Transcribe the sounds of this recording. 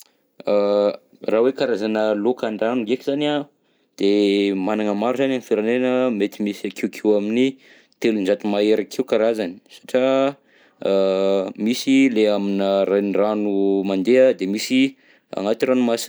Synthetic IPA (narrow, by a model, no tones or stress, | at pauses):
a | rawekaɾazanəlokaɳɖ͡ʐanuɡekizana | d̪̥emanaŋəmaɾuzananifiɾanenəmet̪imisakʰewkʰewamini | t̪elunzat̪umaeɾakʰewkaɾazani̥sḁʈ͡ʂa | misileaminəɾanranumand̪ead̪emisi | a̰ŋat̪iɾanumasi